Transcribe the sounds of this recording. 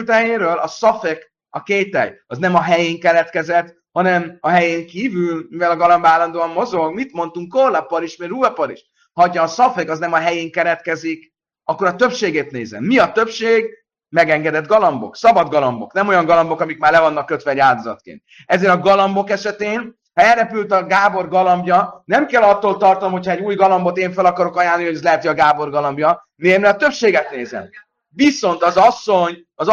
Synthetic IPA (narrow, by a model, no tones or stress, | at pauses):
lt̪ɦɛjeːɾøːlɒsɒfek | ɒkeːt̪ɛ̰jɒznɛmɒɦɛjeːŋkɛɾɛt̪kɛzɛt̪ | hɒnɛmɒɦɛjeːŋkiːvylmivɛlɒɡɒlɒmbaːlːɒnd̪oːɒmːo̞zo̞ɡmit̪mo̞nt̪uŋkːorlɒpɒɾiʃmeɾuːɒpɒɾḭʃ | hɒtːɒːsɒfekɒznɛmɒɦɛjeːŋkɛɾɛt̪kɛzik | ɒkːoɾɒt̪ø̞pʃeːɡeːt̪neːzɛ̰mːiɒt̪ø̞pʃeːɡ | mɛɡɛŋɡɛd̪ɛd̪ɡɒlɒmbo̞̰ksɒbɒd̪ɡɒlɒmbo̞̰knɛmo̞jɒŋɡɒlɒmbo̞kɒmikmaːrlɛvɒnːɒkːøt̪ʋɛːɟaːld̪o̞zɒt̪kḛːnt̪̚ | ɛzeːɾɒɡɒlɒmbo̞kɛʃɛt̪eːn | hɒɛlrɛpylt̪ɒɡaːbo̞rɡɒlɒmbjɒnɛmkɛlɒt̪ːoːlt̪ɒrt̪ɒnomhocʰhɒɛɟuːjɡɒlɒmbo̞t̪eːɱfɛlɒkɒɾo̞kɒjaːlːiho̞ɟɛzlɛɦɛt̪iɒɡaːbo̞rɡɒlɒmbjɒ | neːmlɛɒt̪øpʃeːɡɛt̪̚neːzɛ̰m | viso̞nt̪ɒzɒsːo̞ɲ | ɒz